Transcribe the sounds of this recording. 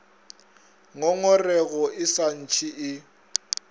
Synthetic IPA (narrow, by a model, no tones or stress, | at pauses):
ŋɔŋɔrɛɣɔʔɪsan̩t͡ʃʰiʔɪ